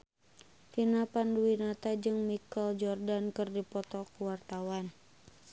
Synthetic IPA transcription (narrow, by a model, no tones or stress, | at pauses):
finapanduwinat̪ad͡ʒɨŋmikɔld͡ʒɔrdankɨrdipɔt̪ɔkuwart̪awan